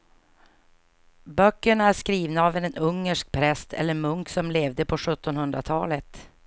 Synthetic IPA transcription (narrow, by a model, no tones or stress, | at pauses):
bœkːəɳaæʂkɾiːvnaːvɛnɛnɵŋːəʂk̚pʰɾɛst̪ʰɛ̰lːəɾmɵŋksɔmleːvd̪əpʰɔɧɵt̪ːɔnhɵnd̪ɾat̪ʰɑːlət̪